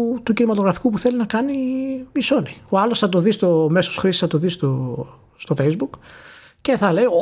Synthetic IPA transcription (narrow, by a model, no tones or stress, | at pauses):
t̪ucinimɐt̪oɣɾɐfi̥kupuθe̞linɐkɐnimiso̞nioɐlo̞sθɐt̪o̞ðist̪o̞me̞sosxɾisi̥sθɐt̪o̞ðist̪o | st̪o̞fe̞jzbuk | ce̞θɐle̞j